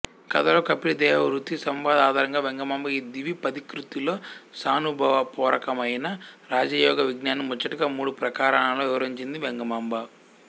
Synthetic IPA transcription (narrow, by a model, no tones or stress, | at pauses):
kɐ̰d̪ɐɾoːkɐpːilid̪ɛːʋɐɾut̪ːisɐmʋaːd̪aːd̪ʱaːɾɐŋɡaːʋeŋɡɐmɐmbɐiːd̪iʋipɐd̪ikɾut̪ilo̞ːsaːnubʱɐʋɐpɔːɾʔɐkɐmɐjnɐɾaːd͡ʒɐjɔːɡɐʋiɡnaːnimɔt͡ʃːɐʈuɡaːmuːɽupɾɐkaːɾɐɳamloːɛʋɐɾɐɲt͡ʃind̪iʋeŋɡɐmɐmbɐ